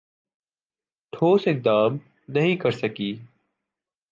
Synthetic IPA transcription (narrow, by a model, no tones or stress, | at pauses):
ʈʰoːsɪk̚d̪aːm | nəɦĩkəɾsəkiː